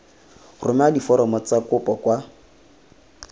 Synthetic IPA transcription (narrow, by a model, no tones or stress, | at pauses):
rʊmɛadifɔɾɔmɔt͡sakʊpʼɔkʼwa